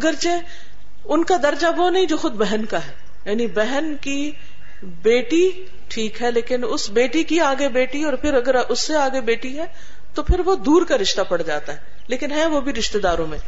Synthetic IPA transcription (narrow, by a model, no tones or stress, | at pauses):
ɐɡəɾt͡ʃe | ʊnkad̪ɐɾd͡ʒaʋonɐɦĩd͡ʒoːxʊd̪bɛɦɛnkaɦɛː | jaːnibɛɦənki | beːʈi | ʈʰiːkɦɛleːkɪnʊsbeːʈikiaːɡebeːʈiɔːɾpʰɪɾɐɡəɾʊsːeaːɡebeːʈiɦɛː | t̪opʰɪɾʋod̪uːɾkaɾɪʃt̪apɐɽd͡ʒaːt̪aɦɛ | leːkɪnɦɛʋobʱiɾɪʃt̪ed̪aːɾõmḛ̃